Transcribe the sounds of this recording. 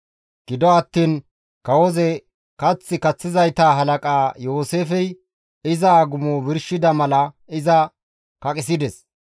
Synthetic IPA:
ɡ̥ɪd̪ɔɐt̪ːiːn | kɐwɔzɛ | kɐt͡sːɪkɐt͡sːɪzɐjt̪aːɦɐlɐkʼaːjo̞ːseːfɛj | ɪzɐːɡʊmoːbɪɾʃɪd̪ɐmɐlɐ | ɪzɐ | kɐkʼɪs̬ɪd̪ɛs

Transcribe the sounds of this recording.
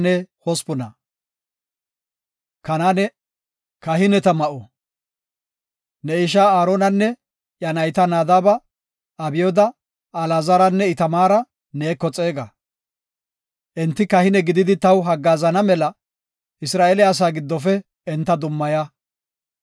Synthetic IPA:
nɛhɔspʊnɐ | kɐnaːnɛ | kɐɦɪnɛt̪ɐmɐʔɔ | nɛɪʃ̬aːaːɾoːnɐnːɛ | jɐnɐjt̪ɐnaːd̪aːbɐː | bɪjɔd̪ɐ | ɐlaːzɐɾɐnːɛɪt̪ɐmaːɾɐ | neːkːɔt͡sʼe̞ːɡɐ | ʔɛnt̪ːɪkɐhɪnɛɡɪd̪ɪd̪ɪt̪ɐwɦɐɡːaːzɐnɐmɛlɐ | ɪsɾaːʔelɪas̬aːɡɪd̪ːɔfɛ | ɛnt̪ːɐd̪ʊmːɐja

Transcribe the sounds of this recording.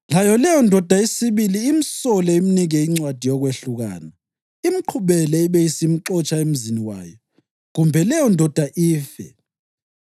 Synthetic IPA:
lajɔlɛjɔndʱɔd̥ʱaesiβiliːm̩sɔlɛiminiɣɛiŋ͡ǀwad̥ʱijɔɣweɬuɣa̰ːna | im̩ǃʰuβɛlɛiβeisim̩ǁɔt͡ʃʼaem̩ziniwa̰ːjɔ | ɣumbʱɛlɛjɔndʱɔd̥ʱaʔiːfɛ̰

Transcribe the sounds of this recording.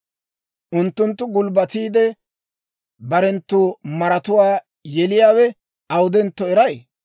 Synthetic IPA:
ʔʊnt̪ːʊnt̪ːʊɡʊlbɐt̪iːd̪ɛ | bɐɾɛnt̪ːʊːmɐɾɐt̪ʊwaː | jɛlɪjaːwɛ | ɐwʊd̪ɛnt̪ːɔɛɾɐj

